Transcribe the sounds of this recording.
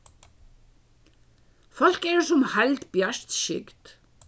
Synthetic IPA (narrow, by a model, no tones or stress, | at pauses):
fɔl̥kɛɹsʊmhalt̪bjaʂt̪ʃɪ̰kt̪